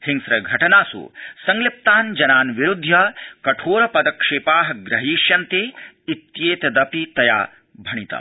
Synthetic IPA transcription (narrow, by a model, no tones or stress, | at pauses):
hiŋsɾɐɡʱɐʈɐnaːsṵsɐŋɡlip̚t̪aːnd͡ʒɐnaːnʋiɾud̪ʱjɐkɐʈʰoːɾɐpɐd̪ɐkʂeːpaːɦɐ̆ɡɾɐɦiːʃjɐnt̪eːit̪jeːt̪ɐd̪ɐpit̪ɐja̰ː | bʱɐɳit̪ɐ̰